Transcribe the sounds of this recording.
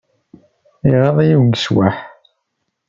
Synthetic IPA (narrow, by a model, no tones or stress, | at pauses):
iʁəðˤæjiwɡswaħ